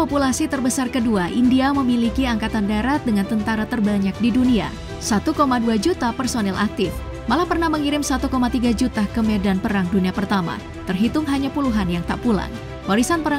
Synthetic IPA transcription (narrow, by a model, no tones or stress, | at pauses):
populasit̪ərbəsarkəduaʔindiaməmilikiaŋkat̪andaɾat̪̚dəŋant̪ənt̪aɾat̪ərbaɲak̚didunia̰ | sat̪ukomaduad͡ʒut̪apərsonɛlʔak̚t̪ɪf | malahpərnahməŋiɾɪmsat̪ukomat̪iɡad͡ʒut̪akəmedanpəɾaŋduniapərt̪ama̰ | t̪ərɦit̪ʊmɦaɲapuluɦanjaŋt̪a̰ʔpula̰ŋ | waɾisanpəɾa